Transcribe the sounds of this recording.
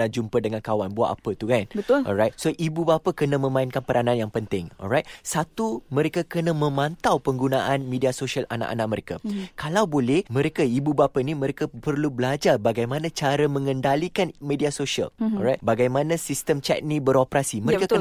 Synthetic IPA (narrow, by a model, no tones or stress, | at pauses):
ad͡ʒumpədəŋankawanbua̰ʔa̰pət̪ukanbəlɔ̰lɾajt̪̚soʔibubapakənãmə̃mãɪnkanpəɾanãnjaŋpənt̪ɪŋɔ̰lrajt̪̚sat̪umə̃ɾekakənãmə̃mãnt̪awpəŋɡunaʔanmediasoʃiala̰na̰ʔa̰na̰ʔ̚məɾeka̰kalawbolɛhmə̃ɾekaibubapəinimə̃ɾekapərlubəlad͡ʒarbaɡajmãnãt͡ʃaɾəmə̃ŋəndalikanmẽdiasoʃiə̰lɔɾajt̪baɡajmanãsist̪əmt͡ʃɛ̰k̚nĩbəɾopɾasiməɾeka